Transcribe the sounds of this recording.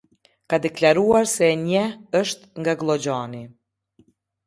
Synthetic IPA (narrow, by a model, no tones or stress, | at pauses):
kad̪ɛklʲaɾuaɾsɛɲɛəʃt̪ŋɡaɡlˠɔd͡ʑani